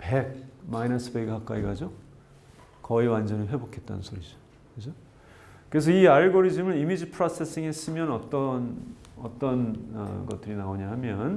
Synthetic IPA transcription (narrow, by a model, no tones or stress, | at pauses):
peɡ̚mainasʰɯbeɡkak͈̚a̰iɡad͡ʑo | kʌiwand͡ʑʌniɸwe̞bokʰe̞t̚t͈a̰nnsʰoɾid͡ʑʌ̥ | kesʰʌ | kɯɾe̞s̬ʰʌiaɭɡoɾid͡ʑɯmɯɭimid͡ʑipʰɯɾas͈ʰe̞s͈iŋes͈ɯmjʌnʌt͈ʌn | ʌt͈ʌnʌ̰ɡʌt͈̚ɯɾinaoɲahamjʌn